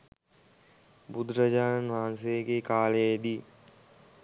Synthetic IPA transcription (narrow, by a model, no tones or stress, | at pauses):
bʊd̪ɾəd͡ʒaːnənʋaːnseːkekaːleːd̪iː